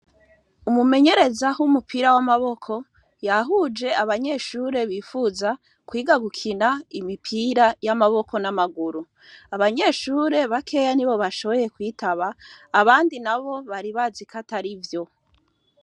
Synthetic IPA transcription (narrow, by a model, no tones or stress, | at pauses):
umume̞ɲe̞ɾe̞zaɦumupʰiɾawamaβo̞kʰo̞ | jaɦuːd͡ʒe̞aβaɲe̞ːʃuːɾe̞βiːfuza | kwiːɡaɡukʰinaimipʰiɾajamaβo̞ko̞namaɡuɾu | aβaɲe̞ːʃuːɾe̞βakʰe̞ːjaniβo̞βaʃo̞βo̞je̞kwiːtʰaβaːβaːndinaβo̞βaɾiβazikataɾivjo̞